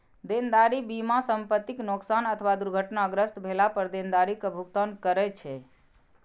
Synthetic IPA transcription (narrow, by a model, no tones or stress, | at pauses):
d̪end̪aɾibimasəmpət̪ːiknoksanət̪ʰəʋad̪uɾɡʱəʈnaəɡɾəst̪bʱelapəɾd̪end̪aɾikəbʱukt̪ənkəɾɛt͡ʃʰɛ